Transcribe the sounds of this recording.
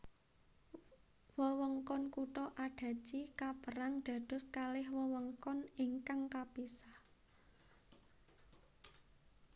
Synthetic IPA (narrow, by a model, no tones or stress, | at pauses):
wəwəŋkɔnkuʈɔʔaɖ̥a̤̥d͡ʒ̥ikapəɾaŋɖ̪̥ä̤d̪̥ʊ̤skalɪhwəwəŋkɔniŋkaŋkapisah